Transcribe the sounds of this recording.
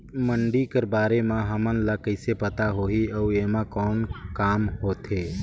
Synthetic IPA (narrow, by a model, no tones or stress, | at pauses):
məɳɖikəɾbaːɾemãɦəmənlakəɪsepət̪aɦoːɦiəueːmãkɔːnkaːmɦoːt̪eː